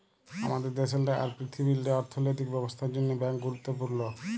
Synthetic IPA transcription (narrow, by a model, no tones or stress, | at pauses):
a̰mad̪eɾd̪eʃelʈaʔa̰ɾpɾit̪ʰibilʈeɔɾt̪ʰonojt̪̬ik̚bɛbost̪ʰaɾd͡ʑonːobɛŋkɡuɾut̪ːopuɾno